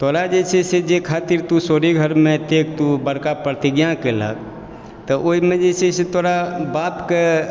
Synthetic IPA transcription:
t̪oɾad͡ʒet͡ʃʰɛsed͡ʒekʰat̪iɾt̪usoɾiɡʱəɾmet̪ek̚t̪ubəɽkapɾət̪iɡjãkelə̰k̚ | t̪əʔoimed͡ʒesʰɛset̪oɾabapke

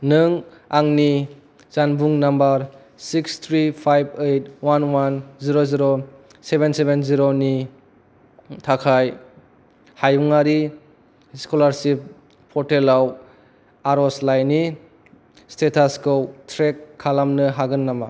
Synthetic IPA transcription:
nɯŋ | aŋni | zanbuŋnambɐɾ | sikst̪ʰɾipʰajb̚ejt̚wanwanziɾoziɾo | sebensebenziɾoni | tʰakʰaj | hajuŋaɾi | skolaɾsip̚ʰː | ɔɾtelaw | aɾɔslajni | stetʰaskowtʰɾekʰːalamnɯɦaɡɯnːama

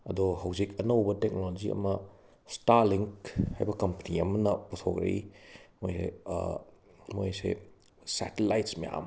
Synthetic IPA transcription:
ɐdɔɦɐwzikɐnɐwbɐtek̚noloziʔɐ̰mɐ | staɾliŋkha̰jbɐkɐmpɐniɐmɐnɐputʰokɾɐ̰ḭmojsḛ | mojsḛ | sɛ̰telajtsmeja̰m

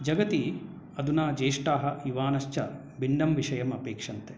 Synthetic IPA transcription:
d͡ʒɐɡɐt̪i | ɐd̪unaːd͡ʒeːʂʈaːɦɐiʋaːnɐʃt͡ʃɐ | biɳɖɐmʋiʂɐjɐmɐpeːkʂɐnt̪e

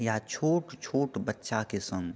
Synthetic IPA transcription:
jat͡ʃʰoːʈt͡ʃʰoːʈbətːʃakesə̃ŋɡ

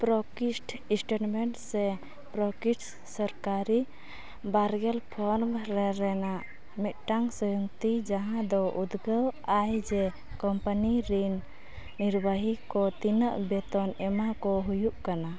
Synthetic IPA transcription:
pɾɔkisʈ | ĩsʈaʈmɛɳʈsɛ | pɾɔkiʈ | səɾkaɾi | baɾɡɛlpʰɔɾmɾɛɾɛnaʔ | mɛt̪̚ʈaŋsɔjuŋt̪id͡ʒaɦãd̪ɔʔud̪ɡəwajd͡ʒɛ | kɔmpaniɾinː | iɾbaɦikɔt̪inəʔbɛt̪ɔnɛmakɔɦujuʔkana

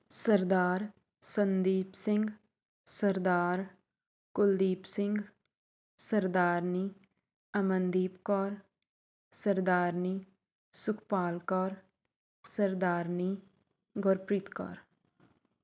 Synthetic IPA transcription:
səɾd̪aːɾ | sənd̪iːpsɪ̃ŋɡ | səɾd̪aːɾ | kʊld̪iːpsɪ̃ŋɡ | səɾd̪aːɾniː | ɐmə̃nd̪iːpkɔːɾ | səɾd̪aːɾniː | sʊkʰpaːlkɔɾ | səɾd̪aːɾniː | ɡɔɾpɾit̪kɔ̰ːɾ

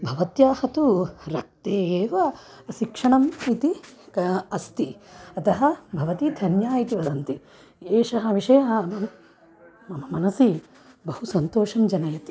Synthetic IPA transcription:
bʱɐʋɐt̪jaːhɐt̪uɾɐk̚t̪eːeːʋɐʃikʂɐɳɐmit̪i | ɐst̪iɐt̪ɐɦɐbʱɐʋɐt̪id̪ʱɐnjaːit̪iʋɐd̪ɐnt̪i | eːʃɐɦɐʋiʂɐjɐɦɐɐ | ɐmɐmɐnɐsi | bɐhusɐnt̪oːʂɐmd͡ʒɐnɐjɐt̪i̥

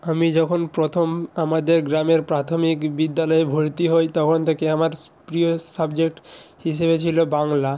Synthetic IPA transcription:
amid͡ʑɔkʰonpɾot̪ʰomamad̪eɾɡɾameɾpɾat̪ʰomikbid̪ːalɔebʱoɾt̪iɦɔjt̪ɔkʰont̪ʰekeamaɾpɾiosabd͡ʑek̚ʈhiʃebet͡ɕʰilobaŋla

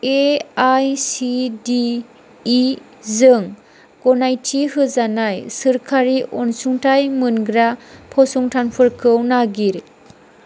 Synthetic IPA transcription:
eajsidiː | zɯŋ | kɔnajtʰiɦɯzanajsɯɾkʰaɾiʔɔnsuŋtʰajmɯnɡɾapʰɔsuŋtʰanpʰɯɾkʰɯwnaɡiɾ

